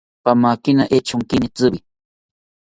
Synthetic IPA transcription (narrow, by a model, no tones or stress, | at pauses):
pamaːkinaʔet͡ʃʰʊŋkinit͡sɨbi